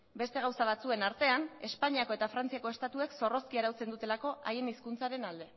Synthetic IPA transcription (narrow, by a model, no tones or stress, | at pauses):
be̞st̪e̞ɣ̞awsaβ̞at͡sue̞naɾt̪e̞ane̞spaɲiako̞e̞t̪afɾant͡siako̞e̞st̪at̪ue̞kso̞ro̞skiaɾawt͡se̞nd̪ut̪e̞lako̞ʔajeniskunt͡saɾe̞nald̪e̞